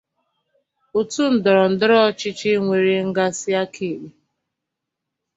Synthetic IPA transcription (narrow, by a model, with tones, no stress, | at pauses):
o˨tu˦n̩˨dɔ˨ɾɔ˨n̩˨dɪ˦ɾɔ˦t͡ʃɪ˦t͡ʃɪ˦ŋʷe˨ɾi˨ŋ̩˦ɡa˦sɪ˦a˦kʰe˨ɡ͡be˨